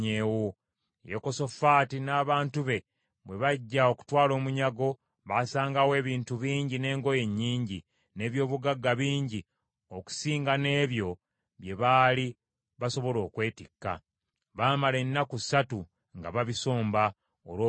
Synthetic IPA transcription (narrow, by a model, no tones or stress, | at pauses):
ewo | jeko̞so̞faːtinaːβaːntuβe̞ | βwe̞βaɟːao̞ku̥twaːlo̞ːmuɲaɡo̞ | βasaːŋɡawe̞ːβiːntuβiːɲɟine̞ːŋɡo̞je̞ɲːiːɲɟi | ne̞ːβjo̞ːβuɡaɡːaβiːɲɟi | oku̥siːŋɡane̞ːβjo̞ | βje̞βaːli | βaso̞βo̞lo̞ːkwe̞ːtikːa̰ | βaːmalenːakusatu | ŋɡaβaβiso̞ːmba | oloː